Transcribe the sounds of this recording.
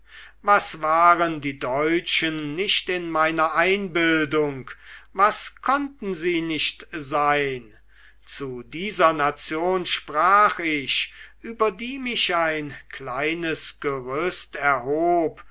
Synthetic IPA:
vasvaːʁəndiːdɔʏt͡ʃənːɪʃtɪnmaɪnɐʔaɪnbɪldʊŋkvaskʰɔntn̩ziːnɪʃtzaɪn | t͡sudiːzɐnat͡sjoːnʃpʁaːχɪɕʔyːbɐdiːmɪʃaɪnklaɪnəsɡ̥əʁʏstɛɐɦoːp

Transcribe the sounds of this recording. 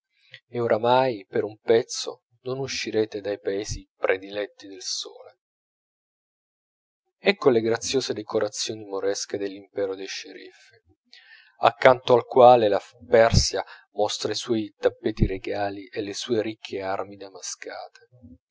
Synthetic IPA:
eoɾʔamajpeɾumpɛt̪sːo̰ | nonuʃːiɾeːt̪ed̪ajpaeːzipɾʔed̪ilɛt̪ːid̪elso̰ːle | ɛkːoleɡɾat̪sːjoːzed̪ekʰoɾat̪sːjoːnimoɾɛsked̪elːimpɛːɾod̪ejʃeɾḭfi | a̰kːant̪oalkwaːlelapɛrsja | mɔst̪ɾaiswɔːjt̪apːeːt̪iɾeɡaːliʔelːesuːeɾikʰːearmid̪amaska̰ːt̪ʰe̥

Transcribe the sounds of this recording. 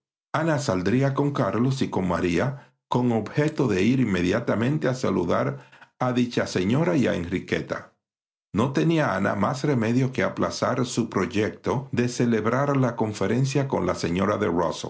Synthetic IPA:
anasald̪ɾiako̞ŋkaɾlo̞siko̞ŋmaɾia | ko̞ŋo̞bhe̞t̪o̞ðe̞iɾimːe̞ðjat̪amẽ̞nt̪e̞asaluðaɾaðit͡ʃase̞ɲo̞ɾaia̰ḛnrike̞̰t̪a̰ | no̞t̪e̞niaana̰masre̞me̞ðjo̞ke̞aplasaɾsupɾo̞ʝe̞k̚t̪o̞ðe̞se̞le̞βɾaɾlako̞ɱfe̞ɾe̞nsjako̞̰nlase̞ɲo̞ɾaðe̞ro̰sl

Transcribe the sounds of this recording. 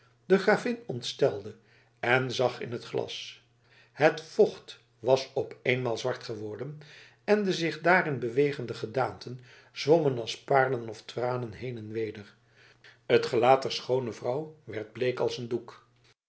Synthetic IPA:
dəχraːvɪnɔntstɛlˠdə | ɛnzɑχɪ̰nɦətχlɑ̰s | hətfɔχt | ʋɑsɔpejnmaːlˠzʋɑɹtχəʋɔɹdən | ɛndəzɪχdaːɾɪnbəʋejχəndəχədaːntʰən | z̥ʋɔmənɑlˠspaːɹdənɔftraːnənɦejnɛnʋejdər | ətχəlaːtdɛɹsχownəvrʌwʋɛɹd̚blejkɑlˠsənduk

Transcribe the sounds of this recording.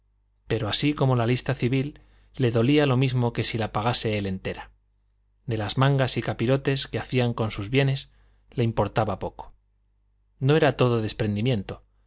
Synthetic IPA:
pe̞ɾo̞asiko̞mo̞lalist̪aθiβilː | e̞ðo̞lialo̞mizmo̞ke̞silapaɣ̞ase̞ele̞nt̪e̞ɾa | d̪e̞lazmãŋɡasikapiɾo̞t̪e̞ske̞aθiaŋko̞nsuzβje̞ne̞s | le̞impo̞ɾt̪aβapo̞ko̥ | no̞e̞ɾat̪o̞ð̞o̞ðe̞spɾe̞nd̪imjẽ̞nt̪o̞

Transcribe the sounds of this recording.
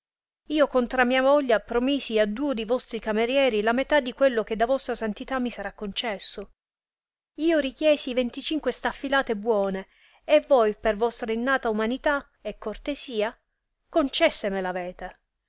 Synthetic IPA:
iːokont̪ɾamːiːamɔʎːapɾomiːsiad̪uːod̪ejvɔst̪ɾikameɾjɛːɾilamet̪ad̪ːikwelːok̟ed̪ːavɔst̪ɾasant̪it̪amːisaɾakːont͡ʃɛsːo | iːoɾik̟jɛːsivent̪it͡ʃiŋkwest̪afːilaːt̪ebwɔːne | evojpervɔst̪ɾainːaːt̪aumanit̪a | ekːort̪esiːa | kont͡ʃɛsːemelavɛːt̪e

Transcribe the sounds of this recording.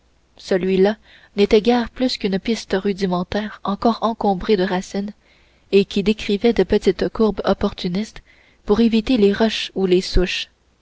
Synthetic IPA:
səlɥila | net̪ɛɡʲɛːʁplyskʲynpɪst̪ʁyd̪imɑ̃t̪ɛːʁɑ̃kɔːʁɑ̃kɔ̃bʁed̪əʁasin | ekʲid̪ekχivɛd̪əpət̪it̪kuʁbɔpɔʁt̪ynist̪ | puʁevit̪eleʁɔʃulesuʃ

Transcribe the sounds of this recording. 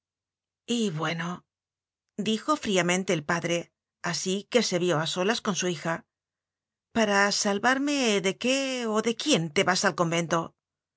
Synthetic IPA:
iβwe̞no̞ | d̪ixo̞fɾiamẽ̞nt̪e̞ːlpaðɾe̞ | asike̞se̞βjo̞aso̞lasko̞nsuixa | paɾasalβaɾme̞ðe̞ke̞oðe̞kje̞nt̪e̞βasalko̞mbe̞nt̪o̞

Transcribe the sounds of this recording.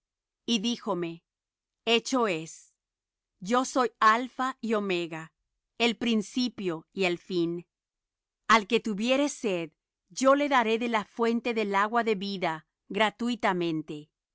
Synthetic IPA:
iðixo̞me̞ | e̞t͡ʃo̞e̞s | ɟ͡ʝo̞so̞jalfaiome̞ɣa | elpɾinsipjo̞ielfin | alke̞t̪uβje̞ɾe̞seð | ɟ͡ʝo̞le̞ðaɾe̞ðe̞lafwe̞nt̪e̞ðe̞laɣwaðe̞βiða | ɣɾat̪uit̪amẽ̞nt̪e̞

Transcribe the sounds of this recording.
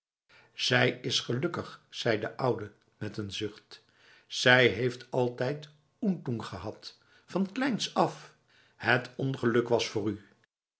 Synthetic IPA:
z̥ɛjɪsχəlɵkəχsɛjdəʔʌwdə | mɛtənzʏχt | z̥ɛjɦejftʰɑlˠtɛjt | untuŋχəɦɑt | fɑnklɛjnsɑf | hətʰɔnχəlɵkʋɑsfʊːry

